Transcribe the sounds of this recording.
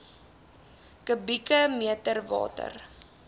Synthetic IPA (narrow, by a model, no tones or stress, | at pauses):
kəbikəmiətərvɑ̰ːtə̰r